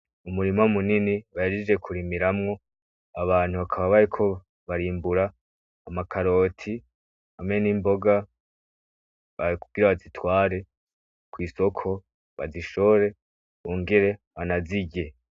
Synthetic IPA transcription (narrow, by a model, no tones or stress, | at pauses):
umuɾimamuniniβajiɾid͡ʒe̞kʰuɾimiɾamŋo̞ | aβaːn̥huβakʰaβaβaɾikʰo̞ | βaɾiːmbuɾaː | makʰaɾo̞ːtʰi | ameniːmbo̞ɡa | βakuɡɡiɾaβazitwaːɾe̞ | kwiːso̞kʰo̞ | βa̰ziʃo̞ɾe̞ | uːŋɡeɾe̞βanaziɟe̞